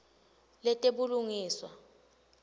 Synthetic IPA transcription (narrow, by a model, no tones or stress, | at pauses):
lɛtʼeɓuluŋiːswa